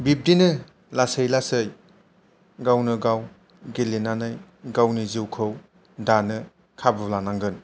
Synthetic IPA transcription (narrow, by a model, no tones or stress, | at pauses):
bip̚dinɯ | lasɯjlasɯj | ɡawnɯɡaw | ɡelinanɯj | ɡawniziwkʰɯw | danɯ | kʰabɯlanaŋɡɯn